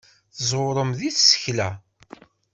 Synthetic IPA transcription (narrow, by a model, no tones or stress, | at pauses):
θzˤʊɾˤəmðiθsə̥çlæ